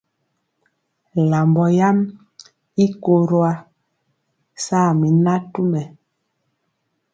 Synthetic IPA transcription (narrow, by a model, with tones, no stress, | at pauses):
la˨mbɔ˨ja˦m | i˦ko˨ɾo˦a˦ | saː˦˨mi˨na˦tu˦mɛ˨